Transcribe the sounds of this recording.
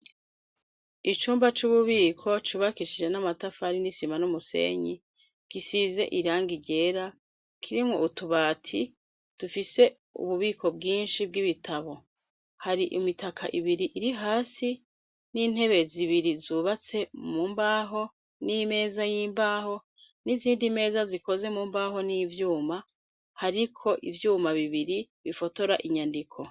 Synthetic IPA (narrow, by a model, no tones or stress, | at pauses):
it͡ʃuːmbat͡ʃuβuβiːkʰo̞t͡ʃuβakiʃid͡ʒenamatafaɾinisimanumusḛːɲḭ | kisize̞̰ʔiɾaːŋɡiɟe̞ːɾa | kʰiɾimŋo̞̰ʔutuβaːtʰi | d̥ufise̞ | ṵβuβiːkʰo̞bɡiːnʃib̚ɡiβitʰaβo̞ | haɾiʔimitakʰa̰ʔiβiɾiʔiɾiɦaːsi | nin̥he̞βe̞ziβiɾizuβat͡se̞muːmbaːɦo̞ | nime̞ːzajiːmbaːɦo | niziːndime̞ːzaziko̞ze̞muːmbaːɦo̞nivjuːma | haɾikʰo̞ʔḭvjuːmaβiβiɾiβifo̞to̞ɾaʔiɲandikʰo̞